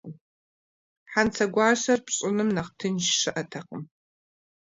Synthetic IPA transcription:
ħant͡sʰɐɡʷɑːɕɐrpɕʼɪnɨmnɐχtʰɨnʃʂɨʔɐtʰɐqəm

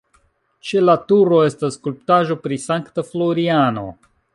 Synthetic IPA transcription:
t͡ʃe̞latuɾo̞e̞stasːkulp̚taʒo̞pɾisaŋktaflo̞ɾiano̞̰

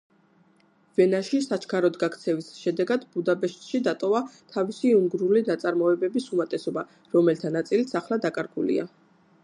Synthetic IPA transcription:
vɛnaʃisat͡ʃʰkʰaɾɔd̪ɡakʰt̪sʰɛvisʃɛd̪ɛɡad̪bud̪abɛʃt̪ʼʃid̪at̪ʼɔvat̪ʰavisiuŋɡɾulinat̪sʼaɾmɔɛbɛbisumat̪ʼɛsɔba | ɾɔmɛlt̪ʰanat̪sʼilit̪sʰaχlˠad̪akʼaɾɡulḭa̰

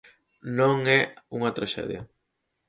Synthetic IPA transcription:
nõŋɛuŋɐt̪ɾaʃɛ̰ðjɐ

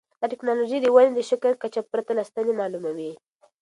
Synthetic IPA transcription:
d̪aʈɪknɑloʒejd̪əwaned̪əʃakəlkat͡ʃapːɾat̪alast̪anemɑlumawi

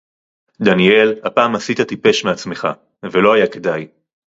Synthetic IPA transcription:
d̪anie̞lhapaːmasit̪at̪ipe̞ʃmeat͡sme̞χa̰ | ve̞lo̞ajake̞daj

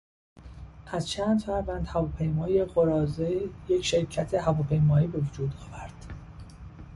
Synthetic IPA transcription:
ʔæzt͡ʃʰæːnd̪fæɾvænd̪̥hævɒːpʰe̞jmɒːjeɢoɾɒːzeje̞cʰʃe̞ɾcʰæt̪ʰeɦævɒːpʰe̞jmɒːiːbe̞vod͡ʒuːd̪ɒːvæɾd̪̥

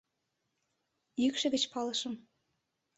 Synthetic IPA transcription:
jykʃə̆ɣə̆t͡ɕpɑlɤʃə̆m

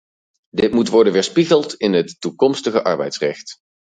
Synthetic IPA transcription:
dɪtmutʋɔɹdənʋɪːɹspiχəlˠtɪnɦətːukɔmstəχəʔɑ̰ɹbɛ̰jtsrɛχt

